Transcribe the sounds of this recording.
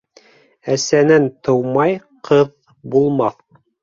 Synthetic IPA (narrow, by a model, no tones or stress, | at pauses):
æsænænt̪ɤ̆wmɑj | qʰɤð | bulˠmɑθ